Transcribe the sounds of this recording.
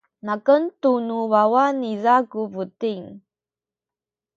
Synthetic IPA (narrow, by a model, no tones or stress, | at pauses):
nakəntunuvawanizakuvutiŋ